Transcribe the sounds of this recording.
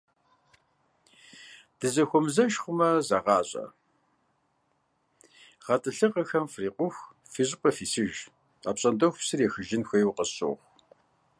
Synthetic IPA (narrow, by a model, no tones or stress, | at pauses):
d̥ɨzɐxʷɔmzɐʃχʷʊmɐzɐʁɑːɕʼɐ̰ | ʁɐtʰʼɨɬɨqəxɐmfriːqʷʊxʷ | fiʑqʷʼɐfiːsɨʒ | a̰ːpɕʼɐndoxʷpsɨreːxɨʒɪnxʷeːjwqəɕo̰ːʁʷ